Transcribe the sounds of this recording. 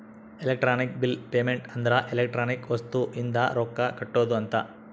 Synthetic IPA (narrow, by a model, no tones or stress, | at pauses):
elek̚ʈɾaːnik̚bilpeːmeɳʈɐnd̪ɐɾɐʔelek̚ʈɾaːnikʋɐst̪uʔind̪ɐɾoːkːɐkɐʈːoːd̪uɐnt̪ɐ